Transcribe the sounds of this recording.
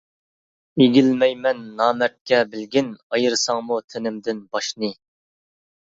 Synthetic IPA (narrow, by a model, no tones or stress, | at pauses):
eɡʲilmɛjmɛnːɑːmɛt̪̚kʲɛbɪlɡʲɪnɑjɨɾsɑŋmut̪ʰɪnɪmd̪ɪnbɑʃnɨ